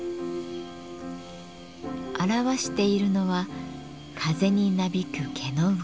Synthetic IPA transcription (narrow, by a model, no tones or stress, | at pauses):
aɾaβaɕi̥t̪e̞iɾɯ̟no̞βa | kʰaze̞ɲ̟inabʲikɯ̟kʰe̞no̞